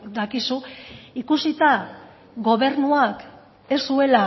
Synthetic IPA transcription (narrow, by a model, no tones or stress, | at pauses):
d̪akisuikusit̪a | ɡo̞βe̞ɾnuak | e̞sue̞la